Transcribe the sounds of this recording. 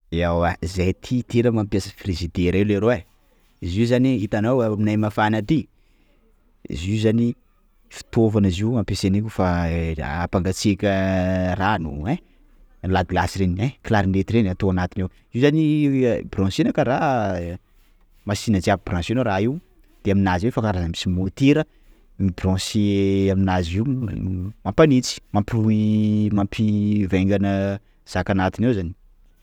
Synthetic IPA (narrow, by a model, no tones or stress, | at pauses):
eawazejt̪ʰit̪eləmampjasə̥firizid̪eɾaileɾoe | iziuzaniit̪anawaminajmafanat̪i | ḭzizani | fi̥t̪ovanaziuampesenikʲufa | a̰paŋɡat͡sikʲəranuẽ | lad̪ilasiɾenieklaɾinret̪iɾenat̪oanat̪inew | iwzanibrɔ̃senəkaɾa | masinəd͡ziapib̥rãsenoɾaiw | d̪̥eaminazefakaɾazəmisimot̪iɾə | mibrɔ̃seaminaziu | mãmpanit͡si̥mampiluimampʰiveŋɡanə | z̥akanat̪inewzani̥